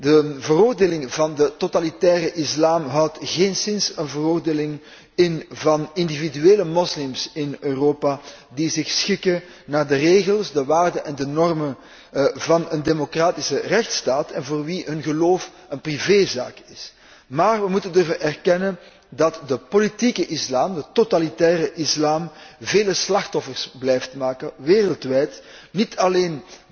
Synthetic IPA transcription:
dəvəroːrdeːlɪŋvɑndətotalitɛːɾəʔɪslaːmɦɑwtɣeːnsɪnsənvəroːrdeːlɪŋ | ɪnvɑnɪndividyeːləmɔslɪmsɪnøːroːpa | dizɪxsxɪkə | naːrdəreːɣəlˠsdəʋaːrdəʔɛndənɔrmən | vɑnəndemokraːtɪsərɛxtstaːtɛnvoːrʋiɦɵnɣəloːf | ənpriveːza̰ːkɪs | maːrʋəmutəndɵrvənʔɛrkɛnən | dɑtdəpolitikəʔɪslaːmdətotalitɛːɾəʔɪslaːmveːləslɑxtɔfərsblɛjftmaːkəʋeːrəlˠtʋɛjtnitʰɑleːn

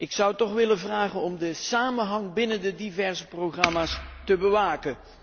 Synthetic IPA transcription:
ɪksʌwtɔχʋɪlənvraːχənɔmdəsaːmənɦɑŋbɪnəndədivɛrzəproχrɑmaːstəbəʋaːkən

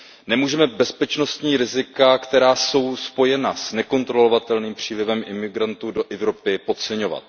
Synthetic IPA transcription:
nɛmuːʒɛmɛbɛspɛt͡ʃno̞st̪ɲiːɾɪzɪkakt̪ɛɾaːso̞wspo̞jɛnasnɛko̞nt̪ɾo̞lo̞vat̪ɛlniːmpr̝̥iːlɪvɛmʔɪmɪɡɾant̪uːdo̞ʔɛvɾo̞pɪpo̞t̪t͡sɛɲo̞va̰t̪̚

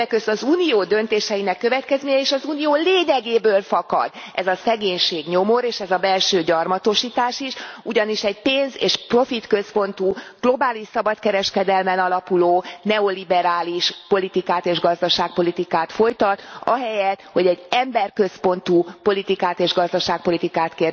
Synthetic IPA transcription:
ɛkøst̪ɒzuːnijoːd̪ø̞nt̪eːʃɛjinɛkːøvɛt̪kɛzmeːɲɛeːʃɒzuːnijoːleːɲɛɡeːbøːlfɒkɒ̰d̪ | ɛzɒsɛɡeːɲʃeːɡɲo̞mo̞ɾeːʃɛzɒbɛlʃøːɟɒrmɒt̪o̞ʃiːt̪aːʃiʃuɟɒniʃɛɟpeːnzeːʃpro̞fit̪kø̞spo̞nt̪uːɡ̥lo̞baːliʃsɒbɒt̪kɛɾɛʃkɛd̪ɛlmɛnɒlɒpuloːnɛo̞libɛɾaːliʃpo̞lit̪ikaːt̪eːʒɡɒzd̪ɒʃaːk̚po̞lit̪ikaːt̪fo̞jt̪ɒt̪ɒ̰ɦɛjɛt̪ho̞ɟɛɟːɛmbɛrkø̞spo̞nt̪upo̞lit̪ikaːt̪eːʒɡɒzd̪ɒʃaːk̚po̞lit̪ikaːt̪keːr

